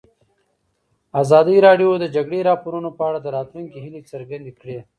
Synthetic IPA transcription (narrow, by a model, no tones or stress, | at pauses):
aːzɑːd̪iɾɑɖjod̪əd͡ʒaɡɽeɾɑːpoɾunopəaɽad̪əɾɑːt̪luŋkiɦɪlit͡səɾɡand̪ikɽe